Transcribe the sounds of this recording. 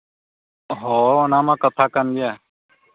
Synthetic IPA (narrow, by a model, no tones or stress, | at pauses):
ɦoːʊnãːmãːkət̪ʰaːkənɡɪjaː